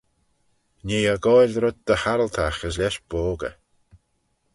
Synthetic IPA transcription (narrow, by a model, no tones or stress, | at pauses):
neːaɡɔjɾðɾʊd̪̚d̪əhaɾəlt̪ʰaxəslɛʃb̥oːɡə̰